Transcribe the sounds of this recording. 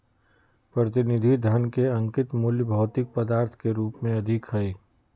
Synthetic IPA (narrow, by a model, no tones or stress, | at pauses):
pɾɐt̪̬ɪnɪd̪ʱid̪ʱənkeɐ̃ŋkɪt̪moːljbʱɐːt̪ɪk̚pɐd̪aːɾt̪ʰkeɾuːpmẽɐd̪ʱɪkɦɐeː